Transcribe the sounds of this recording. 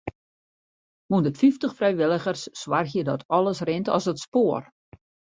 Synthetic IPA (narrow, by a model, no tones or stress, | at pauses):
mundəfiftəxfrɛjʋɪlˠəɣərsːwarxjədɔtʰɔlˠəsrɪntɔ̰sətspoər